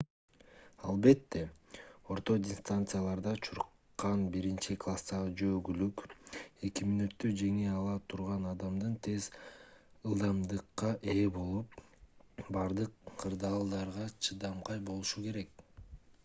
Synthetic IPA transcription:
ɑlˠbe̞t̪ːe̞o̞ɾt̪o̞dʲɪst̪ant̪sɨjalˠɑɾd̪ɑt͡ʃʰuɾ | qːɑnbiɾint͡ʃiklˠast̪ɑʁɯd͡ʒøːɡylyke̞kimynyt̪ːyd͡ʒe̞ŋiɑlˠɑt̪ʰuɾʁɑnɑd̪ɑmd̪ɯnt̪ʰe̞z | ɯlˠd̪ɑmd̪ɯqːɑʔe̞ːbo̞lˠup | bɑɾd̪ɯqːʰɯɾd̪ɑːlˠd̪ɑɾʁɑt͡ʃʰɯd̪ɑmqɑjbo̞lˠuʃuke̞ɾe̞k̚

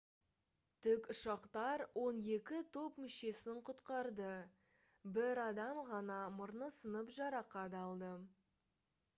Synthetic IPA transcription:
t̪ʰɪkʊʃɑqt̪ɑɾwʔo̞ne̞kʲɪt̪ʰo̞pmʏʃe̞sɪŋqʰʊt̪qɑɾd̪ə | bɪɾɑd̪ɑmʁɑnɑmʊɾnəsənəpʒɑɾɑqɑd̪ɑlˠd̪ə

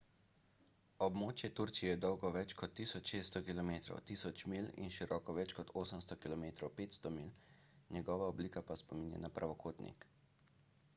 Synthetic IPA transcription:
ɔbmoːt͡ʃjɛt̪uɾt͡ʃijɛjɛd̪ɔwɡɔʋɛt͡ʃkɔt̪ːiːsɔt͡ʃʃeːst̪ɔkilɔmeːt̪ɾɔ̰wt̪iːsɔt͡ʃmilḭnʃiɾɔːkɔʋɛt͡ʃkɔt̪oːsəmst̪ɔkilɔmeːt̪ɾɔwpeːt̪st̪ɔmilnɛɡɔːʋaɔbliːkapaspɔminjɛ̰napɾʔaʋɔkʰoːt̪nḭk

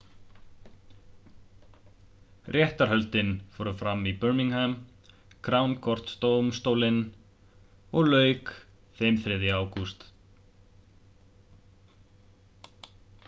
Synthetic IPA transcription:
rʔjɛht̪aɾ̥hɦœlt̪ɪnfɔːɾʏfɾamːipœɾmiŋhɛm | kʰɾawnkʰɔr̥t̪st̪owmst̪owlɪn | ɔɣlœːɥk | fɪmθɾɪðɪaːwkust̪

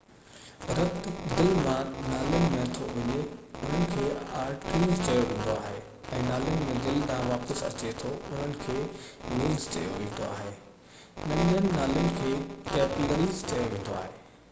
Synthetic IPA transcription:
ɾɐt̪d̪ɪlmãnaːlijʊnɪ̆mẽɐt̪ʰoʋɐɲeʊn̤ənɪ̆kʰeːaːɾʈɾiːzt͡ɕɐjoʋẽːn̆d̪oaːɦe | ɛ̃ːnaːlijʊnɪ̆mẽd̪ɪlɗãɦʋaːpəsɐ̰t͡ɕet̪ʰoʊn̤ənɪ̆kʰeːmiːlst͡ɕɐ̰jo̰ʋẽːn̆d̪o̰a̰ːɦeː | nɐ̃nijənɪ̆naːlijʊnɪ̆kʰeːʈɛːpləɾiːzt͡ɕɐjoʋẽːn̆d̪oaːɦeː

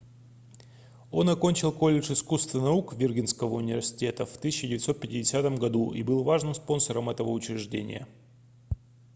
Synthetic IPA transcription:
o̞nɐkonʲt͡ɕɪlˠko̞lʲːɪʂɪskust̪vənɐukvʲɪrɡʲinskəvəʊnʲɪvʲɪrsʲɪ̥tʲe̞t̪əft̪ɨsʲɪt͡ɕːɕɪdʲɪvʲɪt̪so̞t̪̚pʲɪtʲɪdʲɪsʲat̪əmɡɐd̪uʔḭbɨlˠvaʐnɨmspo̞nsəɾəmɛt̪əvəʊt͡ɕɪɾʲɪʐdʲḛnʲɪ̰jə̰

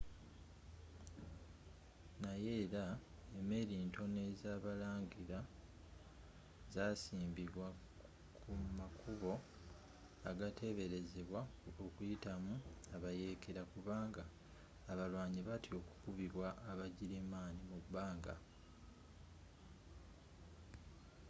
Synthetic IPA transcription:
naje̞ːɾa | eme̞ːɾiːnto̞ne̞zaːβalaːŋɟiɾa | zasiːmbiβwa | kʰumakuβo̞ | aɡatʰe̞βe̞ɾe̞ze̞βwaokujitamuaβaje̞keɾakuβaːŋɡaː | βalwaːɲiβatio̞ku̥kuβiβwaʔːβaɟiɾimaːnimubːaːŋɡa̰

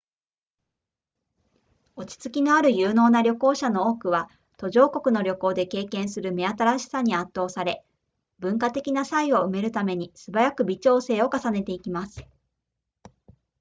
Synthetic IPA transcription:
o̞t͡ɕi̥t͡sɨ̥kʲino̞aɾɯ̟jɯːno̞ːnaɾʲo̞ko̞ːɕano̞oːkɯ̟βa | t̪o̞ʑo̞ːko̞kɯ̟no̞ɾʲo̞ko̞ːd̪e̞ke̞ːkẽ̞ɰ̃sɨɾɯ̟me̞at̪aɾaɕi̥saɲ̟iat̪ːo̞ːsaɾe̞ | bɯ̟̃ŋkat̪e̞kʲinasaio̞ɯ̟me̞ɾɯ̟t̪ame̞ɲ̟isɨbaɾakɯ̟bʲit͡ɕo̞ːse̞ːo̞kasane̞t̪e̞ikʲimasɨ̥

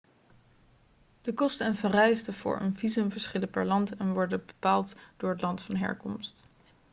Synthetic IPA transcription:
d̥əkɔstənvərɛjstəv̥ʊ̰ːɹə̰nvizɵmvəɹsχɪləpɛɹlɑntɛnʋɔɹdəbəpaːlˠtd̥ʊːɹətlɑntfɑnɦɛ̰ɹkɔmst

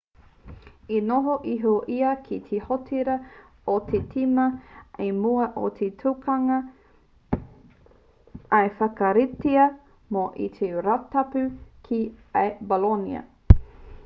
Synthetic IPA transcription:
inoɦoʔiɦoʔiɐkʰit̪ʰehotʰiɾɐ | ot̪ʰetʰimɐemuɐʔo̰t̪ʰetʰukʰɐŋɐ | ɐefɐkɐɾitiɐ | moʔḭt̪ʰeɾatɐpʉkʰiɐjbolonḭɐ̰

